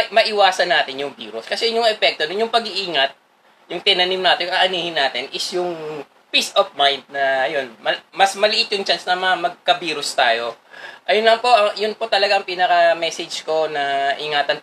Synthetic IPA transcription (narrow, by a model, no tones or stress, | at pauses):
mɐʔɪwaːsɐnːaːt̪ɪnjʊŋbiːɾʊskɐsɛjɲʊŋɛpɛk̚t̪onʊnjʊŋpɐɡɪʔiːŋɐt̪̚ | jʊŋt̪ɪnɐnimnaːt̪ɪnjʊŋʔɐʔɐniːhɪnːaːt̪ɪnʔɪsjʊŋ | pisofmajnd̪̚nɐjonmɐmɐsmɐlɪʔɪt̪̚jʊŋt͡ʃansnɐmɐmɐɡ̚kɐbiːɾʊst̪aːjo̞ʔɐjʊnlɐmpo̞ʔɐŋjʊnpo̞t̪ɐlɐɡaʔɐŋpinɐkɐmɛːsɛd͡ʒko̞nɐʔɪŋaːt̪ɐn